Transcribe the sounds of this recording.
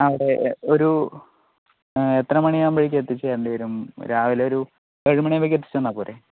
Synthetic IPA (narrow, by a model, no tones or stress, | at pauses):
ɐʋiɽe̞o̞ɾu | et̪rɐmɐɳijaːmbeɻikʲːet̪ːit͡ɕːejɐɳɖejɾumɾaːʋileoɾu | eɻumɐɳejmʋekʲːet̪̬ːi̥t͡ɕːuenːɐpoːle̞